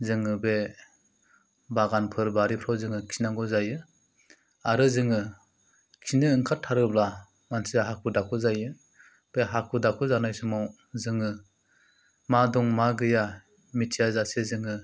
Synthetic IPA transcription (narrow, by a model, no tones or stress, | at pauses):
zɯŋɯbe | baɡanpʰɯɾbaɾipʰɾawzɯŋɯkʰi̥naŋɡɔzajɯ | aɾɯzɯŋɯ | kʰinɯːŋkʰatʰːaɾɯbla | mansiaɦakʰudakʰɯzajɯ | b̥eɦakʰudakʰɯzanajsɯmaw | zɯŋɯ | madɔŋmaɡɯja | mitʰijazasezɯŋɯ